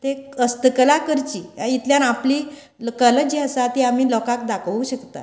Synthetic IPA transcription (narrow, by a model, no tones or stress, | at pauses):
t̪eəst̪əkəlakəɾt͡ɕiːait̪ljãnapliː | kələd͡ʑiasat̪iam̤iːlɔkak̚d̪akʰuɕəkt̪a̰